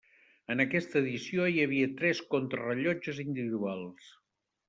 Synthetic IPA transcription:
ənəkɛst̪əːðisioiəβiət̪ɾɛskont̪ɾə̰rəʎɔd͡ʒəzind̪iβiðualˠs

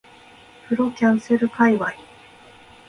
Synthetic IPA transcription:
pɯ̟ɾo̞kʲãɰ̃seɾɯ̟kaiβai

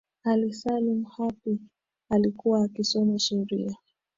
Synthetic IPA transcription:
alisalimuhapi | alikuwaːkisɔnaʃɛɾḭa

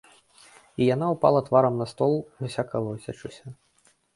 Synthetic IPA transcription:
ijan̪aupa̰lˠɐt̪vaɾɐmnɐst̪ɔlˠvʲusʲakɐlˠɐwsʲat͡ʂusʲɐ

